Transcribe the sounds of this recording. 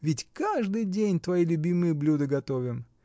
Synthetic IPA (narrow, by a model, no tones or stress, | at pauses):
vʲɪtʲkaʐd̪ɨjdʲenʲt̪vɐjilʲʊbʲimɨjəblʲud̪ɨɡɐt̪ovʲɪm